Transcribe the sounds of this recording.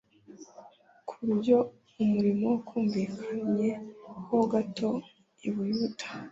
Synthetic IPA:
kʰuɾuɟo̞ | umuɾimokʰuːɱviːkʰaɲɲe̞koɡato̞ | iβujuːtʰḁ

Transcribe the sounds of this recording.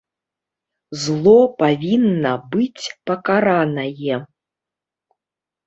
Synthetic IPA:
zlˠɔpavʲinːɐbɨt͡sʲpɐkaɾanɐjɛ

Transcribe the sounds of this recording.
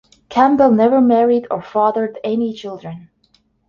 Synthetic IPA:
kʰæ̃mbəlˠnɛvə˞mɛɹiɾə˞fɑðə˞dɛnit͡ʃʰɪlˠdɹɨ̃n

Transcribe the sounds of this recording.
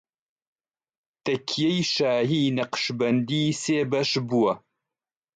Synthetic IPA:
t̪ɐkʰːijejʃaːɦiːnɐqʃbɐnd̪iːseːbɐʃbuwɐ

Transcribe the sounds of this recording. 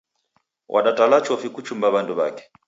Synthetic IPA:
wʔa̰ɗatʼalat͡ʃʰɔfikut͡ʃʰumbaβandʼuβa̰ːkɛ̥

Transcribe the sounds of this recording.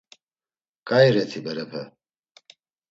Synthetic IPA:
kʼajɾɛt̪ʰibɛɾɛpʰɛ̰

